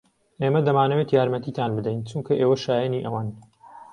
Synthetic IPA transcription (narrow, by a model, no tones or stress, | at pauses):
ʔeːmɐd̪ɐmaːnɐwet̪jaːɾmɐt̪iːt̪ʰaːnbɨd̪ɛjnt͡ʃuŋkʰɐʔeːwɐʃaːjɛniʔɐwaːn